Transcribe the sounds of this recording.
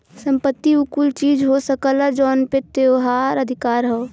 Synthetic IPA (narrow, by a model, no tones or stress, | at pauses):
sə̃mpət̪ːiukult͡ʃiːd͡ʒɦosəkəlad͡ʒɔːnpet̪eɦaːɾəd̪ʱɪkaːɾɦɛ